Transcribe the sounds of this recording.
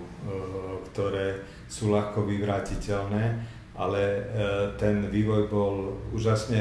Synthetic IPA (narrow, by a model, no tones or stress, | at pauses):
kt̪ɔɾɛː | suːlaxkɔʋiʋɾaːcicɛlnɛː | ʔa̰lɛt̪ɛnʋiːʋɔjbɔluːʒasɲɛ